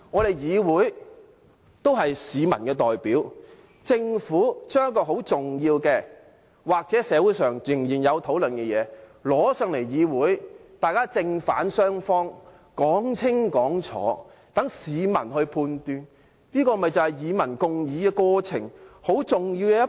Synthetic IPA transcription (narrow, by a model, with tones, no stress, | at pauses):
ŋɔː˨˧ɾe˨˩jjiː˨˧wuː˨˥j | t̪o˥wɦɐ˨jsiː˨˧mɐ̰˨˩nkɛː˧t̪ɔː˨jpiː˨˥w | t͡sɪ˧ŋfuː˨˥t͡ʃœː˥ŋjɐ˥kːɔː˧ɦo˨˥wt͡sʊ˨ŋjiː˧wkɛː˧ | waː˨˩k̚t͡sɛː˨˥sɛː˨˧wuː˨˥jsœː˨ŋjɪ˨˩ŋjiː˨˩njɐ˨˧wt̪ʰo˨˥wlɵ˨nkɛ˧jɛː˨˧lɔː˨˥sœː˨˧ŋle˨˩jjiː˨˧wuː˨˥jt̪aː˨jkaː˥t͡sɪ˧ŋfaː˨˥nsœː˥ŋfɔː˥ŋ | kɔː˨˥ŋt͡sʰɪ˥ŋkɔː˨˥ŋt͡sʰɔ̰ː˨˥ | t̪ɐ˨˥ŋsiː˨˧mɐ̰˨˩nɦɵ˧ɥpʰuː˧nt̪yː˧n | niː˥kɔː˧˨mɐ˨˩jt͡sɐ˨whɐ˨jjiː˨˧mɐ˨˩nkʊ˨˧ŋjiː˨˧kɛː˧kɔː˧t͡sʰɪ̰˨˩ŋho˨˥wt͡sʊ˨ŋji˧wkɛː˧jɐ˥